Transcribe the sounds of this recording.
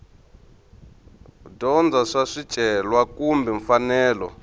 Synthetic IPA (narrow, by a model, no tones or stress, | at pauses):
dɔnd͡zaʂaʂid̥ʒ̥ʱʼɛlwakumbɛɱfanɛːlɔ̰